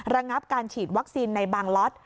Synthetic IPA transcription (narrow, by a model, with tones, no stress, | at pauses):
ɾa˧ŋa˦˥p̚kaː˧nt͡ɕʰiː˨˩t̪̚wa˦˥k̚siː˧nːa˧jbaː˧ŋlɔ˦˥t̪̚